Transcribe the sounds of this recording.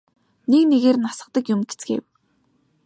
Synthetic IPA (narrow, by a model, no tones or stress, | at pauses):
nekneɣeːrnasə̆q̚t̪ə̆kjʊmɡe̥t͡sɡḛw